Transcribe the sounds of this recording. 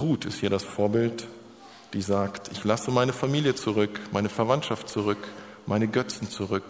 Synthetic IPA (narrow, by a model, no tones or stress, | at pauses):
ʁuːtʰɪ̰sthiːɐɾasfoːɐbɪlt | d̥iːzaːktʔɪçlasəmaɪnəfamiːljət͡suʁʏkmaɪnəfɛɐvantʃaftt͡suʁʏk | mʔaɪnəɡœt͡sn̩t͡suʁʏk